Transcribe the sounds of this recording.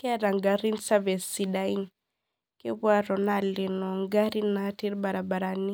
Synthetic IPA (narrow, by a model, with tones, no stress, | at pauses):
kɾa˨ŋɡa˨ɾi˦nsa˦vɛ˨si˨da˦i˦n | ke˦βwa˦ɾɔ˨na˨li˨nɔ˨ŋɡa˦ɾi˦na˨ti˦ɾba˨ɾa˨ba˨ɾa˨ni˦